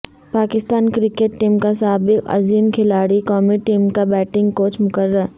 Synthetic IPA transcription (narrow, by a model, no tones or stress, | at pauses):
paːkɪst̪aːnkɾɪkeʈːiːmkasaːbɪkɐ̰ziːmkʰɪlaːɽikɔːmiʈiːmkabɛːʈɪ̃ŋɡ̚koːt͡ʃmʊkəɾːəɾ